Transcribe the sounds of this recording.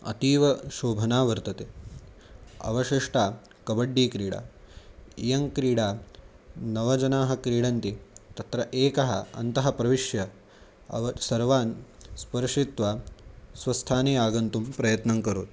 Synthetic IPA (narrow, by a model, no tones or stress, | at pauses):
ɐ̰t̪iːʋɐʃoːbʱɐnaːʋɐɾt̪ɐt̪eː | ɐ̰ʋɐʃiʂʈaː | kɐbɐɖːiːkɾiːɽa̰ː | ijɐŋkɾiːɽaː | nɐʋɐd͡ʒɐnaːɦɐkɾiːɽɐnt̪it̪ɐt̪ɾɐʔeːkɐɦɐɐ̰nt̪ɐɦɐpɾɐʋiʂjɐ | ɐ̰ʋɐsɐɾʋaːnspɐɾʂit̪ʋaːsʋɐst̪ʰaːneːaːɡɐnt̪umpɾɐjɐt̪nɐŋkɐɾuːt̪̚